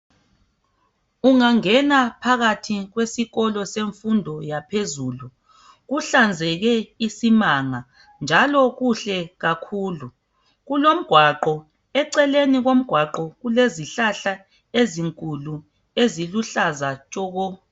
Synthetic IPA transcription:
uŋaŋɛnapʰaɣatʰiɣwesiɣɔlɔseɱfundʱɔjapʰezuːlu | ɣuɬand͡zʱɛɣɛisimaŋa | nd͡ʒʱalɔɣuɬɛɣakʰuːlu | ɣulom̩ɡ̥ʱwaǃɔ | ɛǀɛleniɣom̩ɡ̥ʱwaǃɔɣuleziɬaɬa | eziŋkʼulu | eziluɬazat͡ʃʼɔːɣɔ

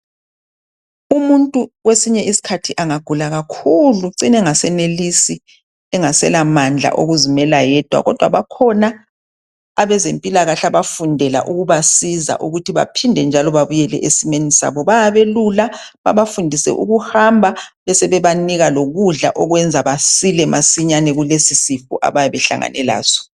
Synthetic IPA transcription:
umuntʼuwesiɲɛʔisi̥kʰatʰiʔaŋaɡ̥ʱulaɣakʰuluǀinɛŋasɛnelisi | ɛŋasɛlamand͡ɮʱa̰ʔo̰ɣuzimɛlajɛd̥ʱwa̰ɣɔd̥ʱwa̰βakʰɔnaː | βɛzempʼilaɣaɬaβafundʱɛla̰ʔuɣuβasiza̰ʔuɣutʰiβa̰pʰindʱɛnd͡ʒʱalɔβaβujɛlɛ̰ʔesimenisa̰βɔβajaβelula | βa̰βafundʱisɛ̰ʔṵɣuhambʱaβɛsɛβɛβaniɣaloɣuɮa̰ʔɔɣwɛnd͡zʱaβasilɛmasiɲanɛɣulesisifṵʔa̰βajaβɛɬa̰ŋa̰nɛla̰ːzɔ̥

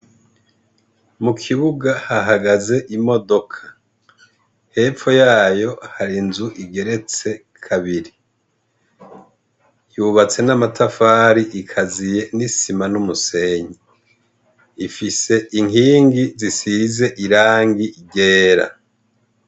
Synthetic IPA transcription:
mukʰiβuɡahaɦaɡaze̞ʔimo̞do̞kʰḁ | he̞ːfo̞jaːjo̞haɾinzuʔiɡe̞ɾe̞t͡se̞ | kʰaβiɾi | juβat͡se̞namatʰafaːɾiʔikʰazije̞nisimanumuse̞ɲi | ifise̞ʔiŋiːŋɡizisize̞ʔiɾaːŋɡiɟeːɾa̰

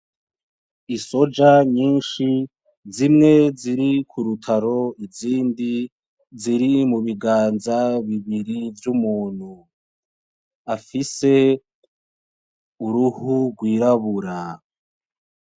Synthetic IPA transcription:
iso̞d͡ʒaɲiːnʃi | zimŋe̞ziɾikʰuɾutʰaɾo̞iziːndi | ziɾimuβiɡaːnzaβiβiɾivjumuːn̥hu | afise̞ | uɾuhuɡwiːɾaβuɾa

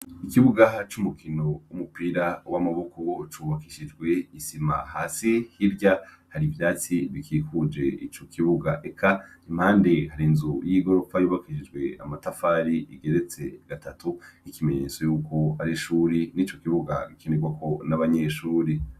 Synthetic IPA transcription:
ikiβuɡat͡ʃumukʰino̞wumupiːɾawamaβukut͡ʃuːβakiʃid͡ʒɡwe̞isima̰haːsihiɾɟa | haɾivjaːt͡siβikʰiːkud͡ʒe̞it͡ʃo̞kʰiβuɡaʔekʰa | im̥haːnde̞haɾinzujiɡo̞fajuːβakiʃid͡ʒɡwe̞a̰matafaɾiʔiɡe̞ɾe̞t͡se̞ɡ̥atʰatuikime̞ɲe̞t͡so̞juːko̞aɾiʃuɾiniːt͡ʃo̞kiβuɡa̰ɡikʰeneɡwakʰo̞naβaɲeʃuːɾi

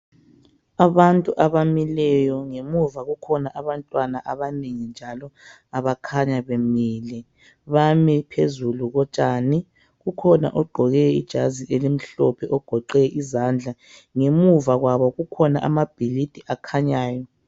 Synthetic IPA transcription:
aβantʼuʔaβamilɛjɔŋemuvaɣukʰɔnaʔaβantʼwanaʔaβaneŋind͡ʒʱalɔ | aβakʰaɲaβemiːlɛ | βamipʰezuluɣɔt͡ʃʼaːni | ɣukʰɔna̰ʔɔɡ͡ǃʱɔɣɛḭd̥ʒ̥ʱaziʔelim̩ɬɔpʰɛʔɔɡ̥ʱɔǃɛʔizand͡ɮʱa | ŋemuvaɣwaβɔɣukʰɔnaʔamab̥ʱilid̥ʱʼiʔakʰaɲaːjɔ

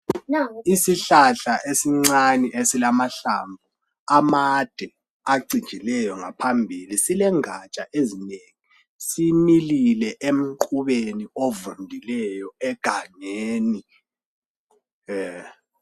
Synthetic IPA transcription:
isiɬaɬaʔesiŋ͡ǀaniʔesilamaɬa̰ːmbʱu | amad̥ʱɛ | aɡ͡ǀʱit͡ʃilɛjɔŋapʰambʱilisilɛŋat͡ʃʼaʔezineŋi | simililɛʔem̩ǃuβeniovundʱilɛjɔɛɡ̥ʱaŋeːni

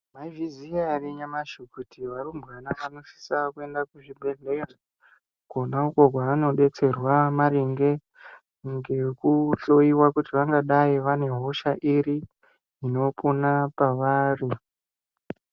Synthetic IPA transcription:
maivizijariɲamaʃukutʰiʋarumbɣanaʋano̞ʃi̥sakue̞ndakuʐibʱe̞ɮera | konaukoɡʱwaano̞ɗe̞t͡se̞rwamaɾiŋɡe̞ | ŋɡe̞kut͡ɬo̞iwakutiʋaŋɡaɗaiʋane̞ɦo̞ʃaʔiɾi | ino̞ponapaʋaːri

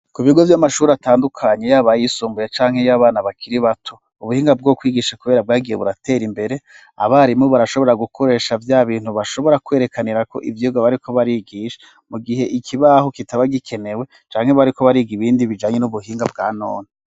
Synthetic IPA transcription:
kuβiɡovjamaʃuːɾataːndukʰaɲejaːβajisuːmbujet͡ʃaːŋhe̞jaːβaːnaβakʰiɾiβatʰo | uβuhiːŋɡab̚ɡokwiːɡiːʃakuβe̞ːɾab̚ɡaːɡijeβuɾatʰe̞ːɾimbe̞ɾe̞ | a̰βaɾimŋoβaɾaʃo̞βo̞ɾaɡukʰo̞ɾeːʃavjaβiːnhuβaʃo̞βo̞ɾakwe̞ːɾe̞kʰaniɾako̞̰ʔḭvjiɡaβaɾikʰo̞βaɾiɡiːʃe̥ | muɡiɦe̞ʔikʰiβaho̞kitaβaɡikʰe̞ne̞we̞ | t͡ʃaːŋ̥he̞βaɾiko̞βaɾiɡiβiːndiβid͡ʒaːɲe̞nuβuhiːŋɡabɡa̰ːno̰ːne

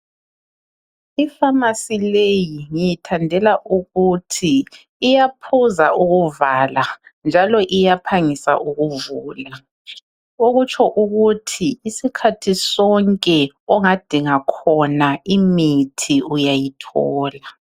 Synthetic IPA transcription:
ifamasilejiŋijitʰandʱɛlaʔuɣutʰiː | japʰuzaʔuɣuvaːland͡ʒʱalɔʔijapʰaŋisa̰ʔuɣuvuːla | oɣut͡ʃʰʼɔʔuɣutʰiːsikʰatʰisɔŋkʼɛ | ɔŋad̥ʱiŋakʰɔnaimitʰiujajitʰɔːla

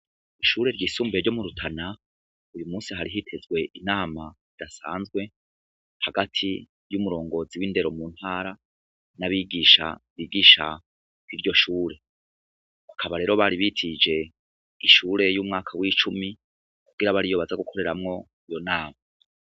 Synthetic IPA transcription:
iʃuːɾe̞ɾɟiːsuːmbeɾɟo̞muɾutʰana | ujumuːsiɦaɾiɦitʰe̞zɡwe̞ʔinaːma | id̥asaːnzɡwe̞ | haɡatʰi | jumuɾo̞ːŋɡo̞ziwinde̞ɾo̞mun̥haːɾa | naβiɡiːʃa̰βiːɡiːʃa̰ | kiɾɟo̞ʃuːɾe̞ | akʰaβaɾe̞ːɾo̞βaɾiβitʰid͡ʒe̞ | iʃuːɾe̞juːmŋaːkʰawiːt͡ʃumi | kuɡ̥iɾaβaɾijo̞ːβazaɡukʰo̞ɾe̞ɾamŋo̞ | ijo̞naːma

